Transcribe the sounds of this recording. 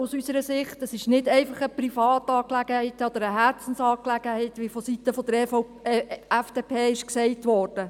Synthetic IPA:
usysəɾəsɪχtəsɪʃnɪdɛɪfɑχəprifɑːtɑːklæɡ̥əhɛɪtɔd̪əɾəɦæɾt͡sn̩sɑːklæɡ̥əhɛɪtʋifɔsitəfɔd̥̪əɾ | æfd̥epʰeːɪʃksɛɪtʋɔːrd̥ə

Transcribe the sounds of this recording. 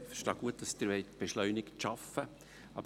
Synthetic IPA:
fʃtɑːɡ̥uət̚d̥ɑsd̥̪əɾʋɛɪtb̥eʃlœʏnɪkʃɑfə | ʔɑ̰b

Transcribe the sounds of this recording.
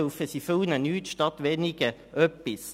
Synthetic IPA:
ʊfəsiːfølnənyːt̪ʃtɑt̪ʋeːnɪɡ̥əʔœpɪs

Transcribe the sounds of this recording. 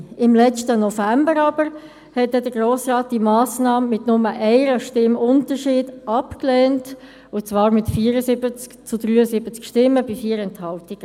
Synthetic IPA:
ɪmlɛt͡stənɔfæmbəɾɑbəɾ | hɛt̚dɛdəɡroːsrɑːt̚d̥imɑːsnɑːmːɪtnʊməʔɛɪɾəʃtɪmʊntəʃiːdɑpklɛːnt | ʊt͡sʋɑːɾmɪtfiːəɾəsɪbət͡skt͡sʊdɾyːəsɪbət͡skʃtɪmːəbifiːəɾɛnthɑltiɡ̥ə

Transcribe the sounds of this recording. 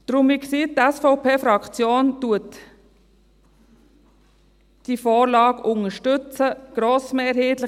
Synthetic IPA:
d̥ɾʊmɪksiːt̪ɛsfɔʊpʰeːfɾɑkt͡sjoːntuət | d̥ifɔːɾlɑːɡʊŋəʃtʏt͡səɡ̥ɾoːsmeːɾheːt̪lɪ

